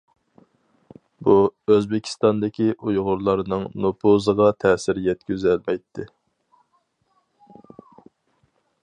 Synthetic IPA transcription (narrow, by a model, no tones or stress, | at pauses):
buøzbɪkʲʰi̥st̪ɑnd̪ɪkʲiʔujʁʊɾlˠɑɾnɨŋnopʰozəʁɑt̪ʰɛːsɪɾjɛt̪̚kʲyzɛlmɛjt̪ʰːɪ